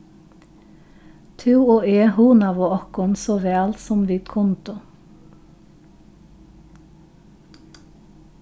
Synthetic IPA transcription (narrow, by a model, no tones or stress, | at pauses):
t̪ʰʉːoːeːhuːnɑʋoːɔkʊnsoːʋæːlsɔmʋiːt̪kʰʊnt̪ʊ